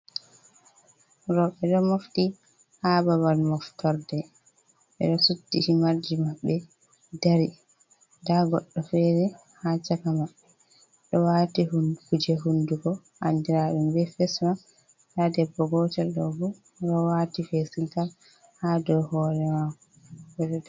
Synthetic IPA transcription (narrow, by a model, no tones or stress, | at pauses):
ɾɔɓɛɗɔmofti | habaβalmɔftɔɾdɛ | ɓɛ̰ɗɔsutːihimaɾd͡ʒimaɓːɛ | daɾi | daɡɔ̰ɗːɔfɛɾɛ | hat͡ʃakamaɓːɛ | ɗɔwatihunkud͡ʒɛɦunduɡɔ | ʔa̰ndiɾaɗumbɛfɛsma | tadɛbːɔɡɔtɛɗɔ̰bu | ɾɔwatifesintal | hadɔhɔɾɛmakɔ | bɛɗɔ